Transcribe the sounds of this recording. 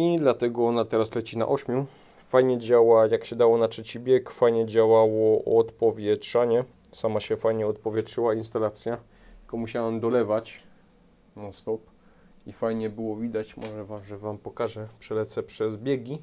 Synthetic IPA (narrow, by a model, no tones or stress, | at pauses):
id̪lat̪ɛɡɔɔnat̪ɛɾaslɛt͡ɕina̰ʔɔɕmʲju | fajɲɛd͡ʑawajakɕɛd̪awɔnatʂɛt͡ɕibʲjɛkfajɲɛd͡ʑawawɔʔɔt̪pɔvʲjɛtʂaɲɛ | samaɕɛfajɲɛɔt̪̚pɔvʲjɛtʂɘwainst̪alat̪sʲja | akɔmuɕawamd̪ɔlɛvat͡ɕ | nast̪ɔp | ifajɲɛbɘwɔvʲid̪at͡ɕmɔʐɛvamʐɛvampɔkaʐɛpʂɛlɛt̪sɛpʂɛzbʲjeɡʲi